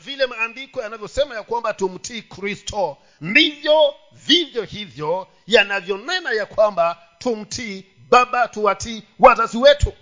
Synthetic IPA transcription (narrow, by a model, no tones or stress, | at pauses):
vilɛmaːndikɔjanavjɔsɛmajakwambatum̩tʰiːkɾistʰɔ | ndivjɔ | vivjɔhivjɔ | janavjɔnɛnajakwamba | tum̩tʰi | ɓaɓatuwatʰiwatasiwɛtʰu